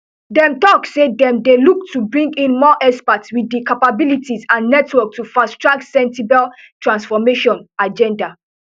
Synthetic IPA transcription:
dɛ̃mtɔksedɛ̃mdeluk̚tʰːubɹĩŋɡĩnmɔʔɛspatswidikapabilitizãnːɛtwɔk̚tufastɹak̚tsɛ̃nsibal | tʰɹãnsfɔmeʃɔ̃nad͡ʒɛ̃nda

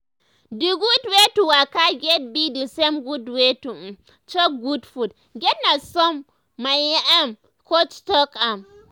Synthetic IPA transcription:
diɡutwetuwakaɡʲet̚bidisɛmɡudwetu | t͡ʃɔk̚ɡudfud | ɡʲɛt̚nasɔmː | ajaʔam | kot͡ʃtɔkam

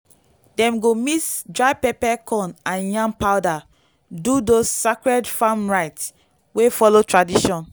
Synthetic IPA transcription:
dɛ̃mɡomisdɹaɪpɛpɛkʰɔ̃nãnjãmpaʊda | dudosːakɹɛdfãmɹaɪts | wefɔlotɹadiʃɔ̃n

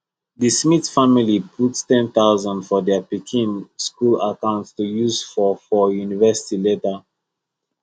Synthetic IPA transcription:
dismitfamilipʰuttɛ̃nθaʊzãndfɔdɛpikʰĩnskulakãʊ̃ntstujuzfɔfɔjunivɜsi̥tiletə

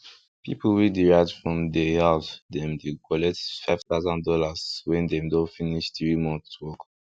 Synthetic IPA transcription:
pḭpʰəlwidiɹaɪvdfɹɔ̃mdɛhafdɛ̃mdekʰɔlɛktfaɪv̥θaʊzə̃ndɔlaswɛ̃ndɛ̃mdofiniʃθɹimɔ̃nswɔk

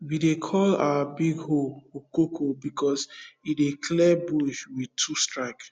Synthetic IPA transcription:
widekʰɔla̰abiɡhookokʰobikʰɔsidekʰlɛbuʃwitʰustɹaɪk

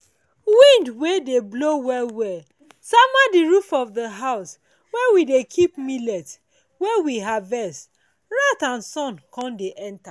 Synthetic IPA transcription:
wĩndwedeblowɛlwɛ | samadiɹufɔvðəɦaʊs | wɛwidekʰipmilɛt | wɛwiɦavɛst | ɹatãnsɔ̃nkʰɔ̃ndeʔɛ̃nta

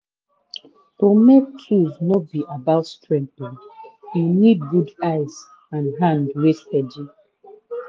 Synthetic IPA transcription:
tomek̚t͡ʃʰuznɔbiʔabaʊtstɹɛ̃mpĩŋjunid̚ɡudaɪz | ãnɦãndweshɛdju

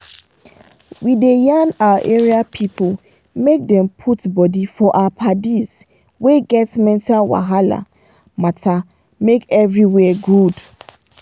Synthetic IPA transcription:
widejanawaʔeɹiapʰipʰol | mek̚dɛ̃mpʰutbɔdifɔʔaapʰadiz | weɡɛtmɛ̃ntʰalwa̰ɦala̰ | matʰa | mekɛvɹiwɛɡud

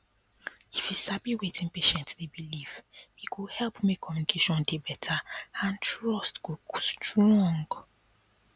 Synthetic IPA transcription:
ifisabiwetɪ̃ŋpeʃɛ̃ntdebilifikuhɛlpmekʰːɔmjunikʰeʃɔ̃ndebɛtʰaãntɹɔstɡostɹɔ̃ŋɡ

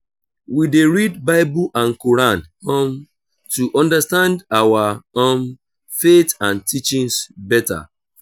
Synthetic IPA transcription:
wideɹidbaɪbuʔãnkɔɹãnõm | tuʔɔ̃ndastãndawaom | fetãntit͡ʃĩŋsbɛta̰

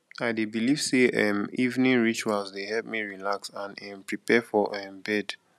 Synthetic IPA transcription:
aɪdebiliv̥seɛmivnĩnɹit͡ʃualzdehɛlp̚miɹilaksãnɛ̃mpɹipɛfɔʔɛ̃mbɛd

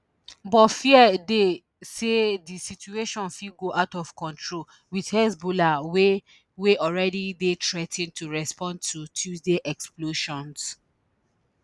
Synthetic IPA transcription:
bɔtfiɛde | sedisitueʃɔ̃nfiɡoʔaʊtɔfkɔ̃ntʰɹol | widhɛsbolawe | weʔɔɹɛdidetɹɛtĩntuɹɛspɔ̃ndtʰutʰjusdeʔɛksploʃɔ̃ns

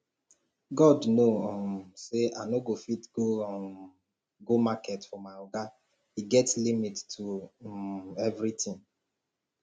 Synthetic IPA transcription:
ɡɔdnoɔmseanoɡofitɡo | ɡomakʰɛtfɔmaɔɡa | hiɡɛtslimittʰu | ɛvɹitĩŋ

